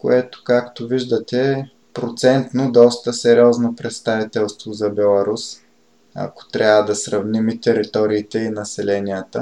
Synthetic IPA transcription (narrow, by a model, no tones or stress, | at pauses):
ko̰ɛt̪o̥kakt̪oviʒd̪ət̪ɛ | pɾot̪sɛnt̪nod̪ɔst̪əsɛɾiɔznopɾɛt̪st̪avit̪ɛlˠst̪vozɐbɛlˠɐɾus | ɐ̰ko̥t̪ɾʲavəd̪ɐsɾɐvnimit̪ɛɾit̪ɔɾiːt̪ɛinɐsɛlɛnijət̪ə